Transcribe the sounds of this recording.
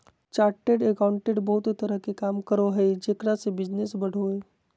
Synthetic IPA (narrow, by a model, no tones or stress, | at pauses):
t͡ʃaːɾʈeɖekaːwʊ̃ɳʈeɖbɐɦʊt̪it̪əɾəɦkekaːmkəɾoɦed͡ʒeːkɾasebɪd͡ʒnesbɐɽ̤ʱoɦeː